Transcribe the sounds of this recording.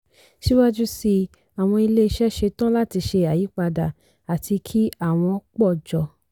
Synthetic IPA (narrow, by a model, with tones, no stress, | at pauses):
ʃi˦wa˦d͡ʒu˦si˧ | a˨w̃ɔ̃˧i˧le˦i˧ʃɛ˦ʃe˧tã˦la˦˨ti˧ʃe˧a˨ji˨˦k͡pa˧da˨ | a˨tʰi˧kʰi˦a˦˨w̃ɔ̃˧˦k͡pɔ˦˨d͡ʒɔ˨